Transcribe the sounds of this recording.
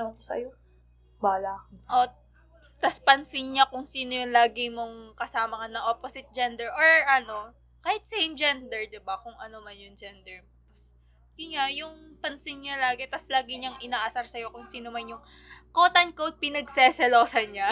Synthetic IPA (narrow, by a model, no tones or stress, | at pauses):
osɐ̰jo | baːlakʔo | t̪ɐspɐnsɪŋɲakʊŋsiːnojʊŋlaːɡɪmoŋkɐsaːmɐŋɐnːɐŋʔoːposɪt̪̚d͡ʒɛnd̪ɛɹʔoɹʔɐno̞ | kaːhɪt̪̚sejmd͡ʒɛnd̪ɛɹd̪ɪbakʊŋʔɐnomɐnjʊŋd͡ʒɛnd̪ɛɹ | t̪ɐs | ɪɲajʊŋpɐnsɪŋɲalaːɡɛt̪ɐslaːɡɪɲɐŋʔɪnaːʔɐsɐɾsɐjo̞kʊŋsiːnomɐnjʊŋ | koːt̪ɐnkod̪̚pɪnɐɡsɛsɛlo̞ːsɐnɲa